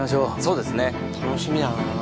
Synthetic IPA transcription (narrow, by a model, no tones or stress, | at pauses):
aɕ̬o̞ːsoːd̪e̞sɨne̞ | t̪ʰanoɕimʲina